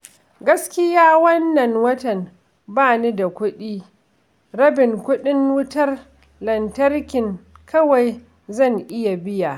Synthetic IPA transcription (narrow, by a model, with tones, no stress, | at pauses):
ɡɐ˦skʲɪ˦jaː˦wɐ˦nːɐ˨ŋwɐ˦tɐ˨n | baː˦˨ni˦da˨kʷʊ˦ɗiː˦ | ɾɐ˦bɪ˨ŋkʷʊ˦ɗɪ˦ŋwʊ˦tɐ˦r | lɐ˨ntɐ˦rkʲɪ˨ŋkʰɐ˦wa˨j | zɐ˦˨ŋʔɪ˦ja˨bɪ˦ja˨ʔ